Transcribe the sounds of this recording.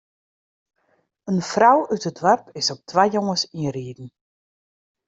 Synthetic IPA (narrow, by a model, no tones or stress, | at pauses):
ənfrawytədʋœrpʰɪsɔp̚tʰʋajjoŋəsiriːdn̩